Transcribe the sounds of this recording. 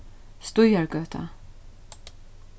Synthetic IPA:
st̪ʊjaɹɡœːt̪ʰa̰

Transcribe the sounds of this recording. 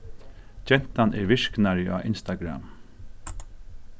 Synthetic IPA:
d͡ʒɛn̥t̪anɛɹʋɪʂknaɹɪʔa̰ːʔɪnst̪aɡɾa̰m

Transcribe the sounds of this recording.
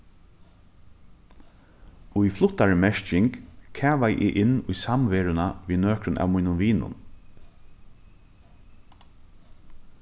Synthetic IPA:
ʊjflʊt̪ːaɹmɛʃcɪŋkkʰæːʋajʔɪ̰ːʔɪnːʊjsamʋeːɹʊnaʋiːnøːkɾʊnʔa̰ːʋmujnʊmʋiːnʊ̰n

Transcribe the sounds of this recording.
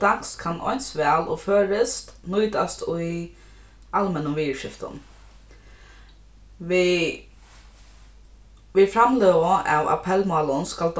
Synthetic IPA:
d̪̥akskʰanɔ̰ʏnsʋɛːlɔføːɾɪst̪nuːd̪ast̪ʰʊ | ʔalmɛnəʋiːəʂɪft̪ə̰n | ʋ | ʋɪfɾamleːʋəɑ̰ʋa̰pʰɛlmɑːlʊnskald̪

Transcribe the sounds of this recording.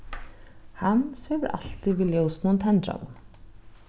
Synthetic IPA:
hanshœvʏɾʔa̰l̥t̪iviːljowsnunt̪ʰɛnt̪ɾa̰n

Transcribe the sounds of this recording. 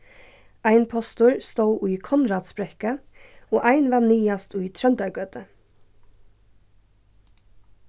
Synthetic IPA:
ʔæɪnpʰɔst̪ʊːɹst̪oːʔʉːkʰɔnɾɑːt̪sbɾɛkəoːʔæɪnʋɑːnyːɑst̪ʉːt̪ʰɾœnd̪ɑɡøːd̪ə

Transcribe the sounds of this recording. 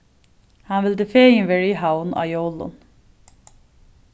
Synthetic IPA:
hɑnʋɪld̪əfeːɪnʋɛɹihaʊnɑ̰jolʊ̰n

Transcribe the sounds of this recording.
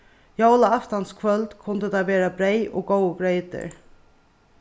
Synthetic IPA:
jowlaaft̪anskʰvœlt̪kʰʊnd̪əd̪aʋeːɾabɾejʔɔ̰ɡowɡɾeɪt̪ɪ̰ɹ

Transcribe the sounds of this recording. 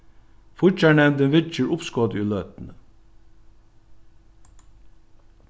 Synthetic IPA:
fʊt͡ʃaɳɛmd̪ənʋɪt͡ʃəɹʊpskɔːd̪ʉːlœːt̪n̩ə

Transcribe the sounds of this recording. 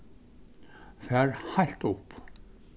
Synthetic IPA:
fɛɾhajl̥t̪ʊp

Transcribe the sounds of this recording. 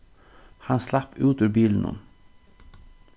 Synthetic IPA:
hɑnslɑpʉːt̪ʉːɾbiːln̩ʊ̰n

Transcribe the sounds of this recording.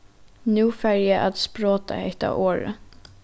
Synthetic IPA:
nʉːfæɹjæʔɑt̪spɹoːt̪ɑ̰hɛ̰ɪt̪ɑ̰ːʔoːɹə̰

